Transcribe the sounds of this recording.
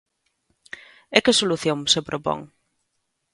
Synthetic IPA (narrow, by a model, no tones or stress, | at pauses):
ekɪsoluθjoŋsepɾʔopɔ̰ŋ